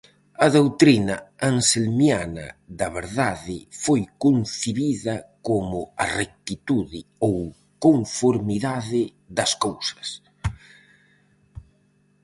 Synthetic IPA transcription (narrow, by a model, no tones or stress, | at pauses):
ɐðowt̪ɾinɐaŋselmjanɐ̰ðɐβeɾðaðɪfojkonθiβiðɐkomʊɐrek̚t̪it̪uðɪow | koɱfoɾmiðaðɪ | ðɐskowsɐ̥s